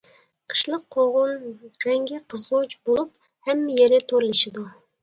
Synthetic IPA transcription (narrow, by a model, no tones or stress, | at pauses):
qʰə̥ʃlˠəqʰːoʁʊnɾɛŋɡʲɪqʰəzʁʊt͡ʃbolˠup | hɛmːɪjeɾɪt̪ʰoɾlˠɨʃɪd̪u